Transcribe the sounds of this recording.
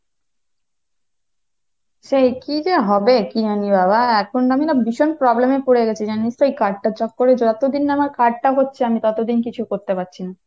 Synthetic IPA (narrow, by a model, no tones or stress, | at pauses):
ʃejkid͡ʑeɦɔbekiɦanibabʱaɛkʰonamiɾabiʃonpɾɔblemepoɽeɡɛt͡ɕʰid͡ʑanːist̪oejkaɖ̚ʈat͡ɕɔk̚ːoɾed͡ʑoat̪od̪inːamaɾkaɖ̚ʈaɦotːɕʰeamit̪ɔt̪od̪inkit͡ɕʰukoɾt̪epatːɕʰina